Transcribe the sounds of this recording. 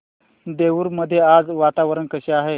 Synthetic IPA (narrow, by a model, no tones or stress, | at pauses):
d̪eʋuːɾməd̪ʱːjead͡zʋat̪aʋəɾənkəɕeaɦe